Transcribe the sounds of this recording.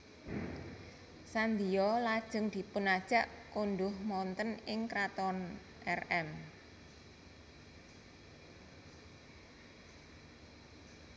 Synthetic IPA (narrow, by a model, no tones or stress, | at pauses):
sand̪ijɔlad̥ʒ̥ə̤ŋd̪̥i̤pʊnad̥ʒ̥ä̤ʔkond̪ʊhmɔnt̪ənɪŋkɾat̪ɔn | ʔɛrɛm